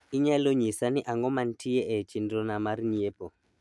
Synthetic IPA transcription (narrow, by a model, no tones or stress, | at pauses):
iɲaloɲisaniʔaŋɡɔman̩tiɛʔɛt͡ʃindɔnamaɾɲiepɔ